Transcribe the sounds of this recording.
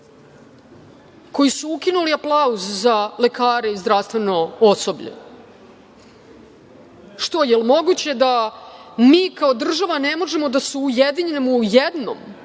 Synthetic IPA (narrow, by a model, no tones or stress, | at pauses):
ko̞jisuukinuliaplˠauzzale̞kaːɾe̞izd̪ɾafst̪ʋe̞no̞oso̞bʎḛ | ʃt̪o̞jelmo̞ɡut͡ɕed̪a | miːkaod̪r̩ʒaʋanemo̞ʒe̞mo̞d̪asuːjed̪iɲenemujed̪no̰m